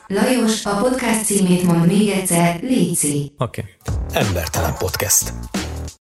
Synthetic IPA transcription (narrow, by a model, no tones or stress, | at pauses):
lɒjo̞ʃɒpo̞t̪kast̪siːmeːt̪mo̞nd̪meːɡɛt̪sɛrleːt̪siːokeɛmbɛrt̪ɛlɛ̰mpo̞t̪kɛst̪